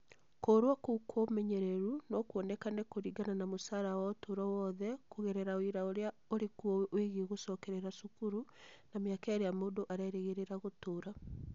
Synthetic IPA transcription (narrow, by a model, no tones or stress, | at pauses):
koːɾwakukʰomɛɲeɾeɾunɔkuɔnɛkanɛkoɾiɡananamosaɾawaotoːɾɔwɔðɛkoɣeɾɛɾaoiɾaoɾea | oɾekuɔweʔoeɣiɣosɔkɛɾɛɾasukuɾunameakaeɾeamoːndoʔaɾɛːɾeɣeɾeɾaɣotoːɾa